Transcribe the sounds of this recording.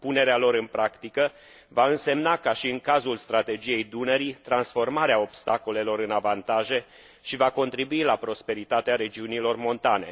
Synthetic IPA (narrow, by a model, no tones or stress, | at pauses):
pune̞ɾealo̞ɾɨnpɾakt̪ikə | vaɨnse̞mnakaʃiɨŋkazulst̪ɾat̪e̞d͡ʒije̞jd̪unəɾit̪ɾansfo̞rmaɾeao̞bst̪ako̞le̞lo̞ɾɨnavant̪aʒe̞ | ʃivako̞nt̪ɾibuilapɾo̞spe̞ɾit̪at̪eaɾe̞d͡ʒiunilo̞rmo̞nt̪ane̞